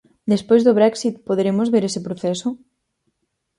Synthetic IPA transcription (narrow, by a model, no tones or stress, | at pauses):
d̪espojzðoβɾɛksit̪̚poðeɾemozβeɾesɪpɾoθɛsʊ